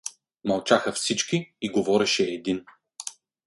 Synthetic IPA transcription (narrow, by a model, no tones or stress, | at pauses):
mɐlˠt͡ʃaxɐfsit͡ʃkiiɡovɔɾɛʃɛːd̪in